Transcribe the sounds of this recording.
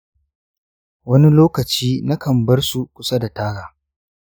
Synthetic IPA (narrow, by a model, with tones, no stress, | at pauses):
wɐ˦ni˦loː˦kɐ˨t͡ʃiː˦na˦kɐ˨mbɐ˦rsu˨kʷʊ˦sa˦da˨taː˦ɽaː˨